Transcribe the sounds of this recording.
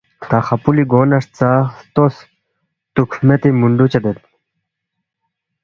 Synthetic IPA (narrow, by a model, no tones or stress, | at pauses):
t̪aːxɐpuliɡoːnɐʂt͡sast̪os | t̪ukʰmet̪imuɳɖut͡ɕɐd̪et̪̚